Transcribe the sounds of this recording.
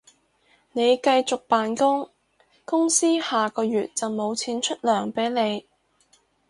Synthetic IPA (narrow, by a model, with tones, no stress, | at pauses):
ne˨˧jkɐ˧jt͡sʊ˨k̚paː˨nkʊ˥ŋ | kʊ˥ŋsiː˥haː˨kɔː˧jyː˨˩t̚t͡sɐ˨wmo˨˧wt͡sʰiː˨˥nt͡ʃʰɵ˥t̚lœː˨˩ŋpe˨˥jne˨˧j